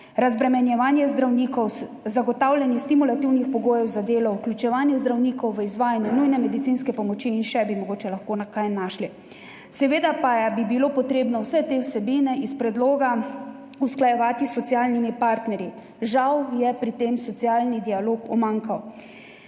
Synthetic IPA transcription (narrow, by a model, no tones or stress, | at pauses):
ɾazbɾɛmɛnjɛʋaːnjɛzd̪ɾawnikɔw | zaɡɔt̪aːwlʲɛnjɛst̪imulat̪iwnixpɔɡoːjɛwzad̪eːlɔwklʲut͡ʃɛʋaːnjɛzd̪ɾawnikɔwʋəizʋaːjanjunujnɛmɛd̪it̪sinskɛpɔmɔt͡ʃiːnʃɛbimɔɡoːt͡ʃɛlaxkoːnakajnːaːʃli | sɛʋeːd̪apajbibilopɔt̪ɾeːbnɔwsɛt̪eːwsɛbiːnɛʔispɾɛd̪loːɡa | usklajɛʋaːt̪isɔt̪siaːlnimipaːɾt̪nɛɾji | ʒawjɛpɾit̪eːmsɔt̪siaːlnid̪ialoːkɔmaŋkaw